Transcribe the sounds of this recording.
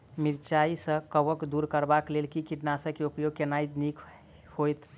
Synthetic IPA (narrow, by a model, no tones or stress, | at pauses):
miɾt͡ʃaisə̃kəbəkd̪uɾkəɾbaklelkikiʈnasə̃keupjoɡ̚kenajd̪nikʰ | hojt̪